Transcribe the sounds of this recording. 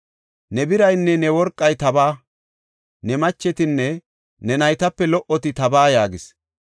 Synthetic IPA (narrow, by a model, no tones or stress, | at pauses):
nɛbɪɾɐjnːɛnɛwɔɾkʼːɐjt̪ɐbaː | nɛmɐt͡ʃːɛt̪ɪnːɛ | nɛnɐjt̪ɐpːɛlɔʔɔt̪ɪt̪ɐbaːjaːɡɪs